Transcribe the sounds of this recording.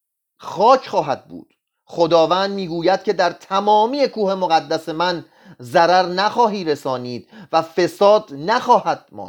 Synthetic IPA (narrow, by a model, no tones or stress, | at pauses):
χɒːcʰχɒːɦæd̪̚bṵːd̪̥ | χo̞d̪ɒːvæːnd̪miːɡuːjæd̪̥̚cʰe̞d̪æɾt̪ʰæmɒːmiːe̞kʰuːhe̞moɣæd̪ːæse̞mæn | zæɾæɾnæxɒːɦiːɾe̞sɒːniːd̪̥væfe̞sɒːd̪næxɒːhæd̪̥̚mɒ̰nd̪